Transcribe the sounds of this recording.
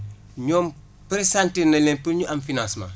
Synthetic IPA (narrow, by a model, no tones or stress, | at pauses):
ɲoːm | pɾesãntinɐlẽmpiɾɲuʔamfinãsmã̰